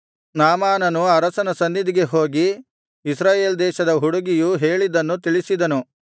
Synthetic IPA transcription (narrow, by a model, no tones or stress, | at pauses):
naːmaːnɐnuɐɾɐsɐnɐsɐnːid̪iɡe̞ɦo̞ːɡi | isɾaːje̞ːld̪ɛːʃɐd̪ɐɦuɽuɡijuɦeːɭid̪ɐnːut̪iɭisid̪ɐnu